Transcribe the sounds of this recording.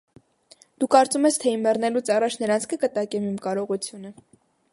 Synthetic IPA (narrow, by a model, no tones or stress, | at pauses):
d̪̥ukɑɾt͡sumɛst̪ʰɛimːɛrnɛlut͡sʰɑrɑt͡ʃʰnəɾɑnt͡sʰkəkət̪ɑkɛmimkɑɾɔʁut͡sʰjunə